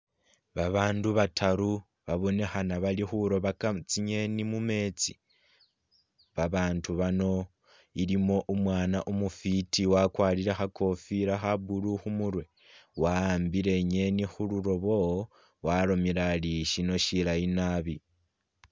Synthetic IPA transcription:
βaβaːnduβatʰaɾu | βaβo̞ne̞xanaβalixuɾo̞βakat͡siɲe̞nimume̞t͡si̥ | βaβaːntʰuβano̞ | ilimo̞ʔumwaːnaʔumufitiwakwaːliɾexakʰo̞fiɾaxabuluxumuɾwe̞ | waːmbiɾe̞ɲe̞nixuluɾo̞βo̞ | waɾo̞miɾaliʃino̞ʃilainaβi

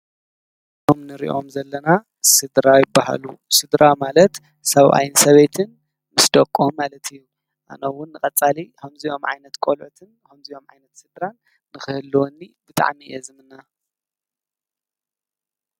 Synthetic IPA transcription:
t̪ʰomnɨɾḭʔo̞̰mzɐlːɐna | sɨd̪ɾajɪbːaɦa̰lusɨd̪ɾamalɐt̪ | sɐβʔa̰jnsɐβet̪ʰɨn | mɨsd̪ɐkʼːommalɐt̪ʰɨjːu | ʔa̰nɐwʊnːɨkʼɐt͡sʼːalikʰɐmzijo̞mʕa̰jnɐt̪kʷʼolʕut̪ʰɨnkʰɐmzijo̞mʕa̰jnɐt̪sɨd̪ɾanː | ɨxɨhɨlːwɔnːibɨt̪ʼa̰ʕmiʔɛzɨmɨnːa

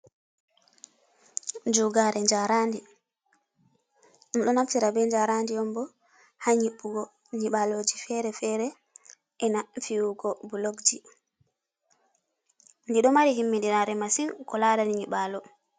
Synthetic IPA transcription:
d͡ʒuɡaɾɛɲd͡ʒaɾandi | ɗɔnaftiɾabɛɲd͡ʒaɾandiɔmbɔ | haɲiɓːuɡɔ | ɲiɓaloːd͡ʒifɛɾɛfɛɾɛ | ʔɛnafiwuɡɔbuloɡd͡ʒi | ndiɗɔmaɾihimːidiɾaɾɛmasiŋkɔlaːdaniɲiɓalɔ

